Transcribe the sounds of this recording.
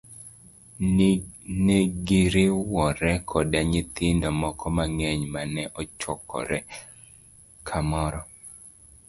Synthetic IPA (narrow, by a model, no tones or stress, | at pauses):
neɡɪɾɪwɔɾɛkʰɔdaɲɪt̪ɪndɔmɔkʰɔmaŋɛɲmanɛʔɔt͡ʃɔkʰɔ̰ɾɛ | kʰamɔɾɔ